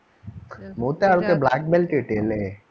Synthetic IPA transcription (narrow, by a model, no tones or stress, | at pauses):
moːt̪eaɭkeblaːk̚belʈiʈeːle